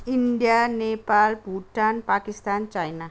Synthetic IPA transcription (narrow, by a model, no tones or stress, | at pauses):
iɳɖijanepalbʱuʈanpakist̪ant͡ɕajna